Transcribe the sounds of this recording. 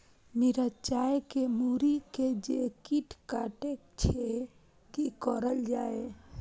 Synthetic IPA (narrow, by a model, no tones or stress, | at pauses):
miɾat͡ʃajkemuɾiked͡ʒekiʈʰkaʈekt͡ʃʰe | kikɔɾəld͡ʒae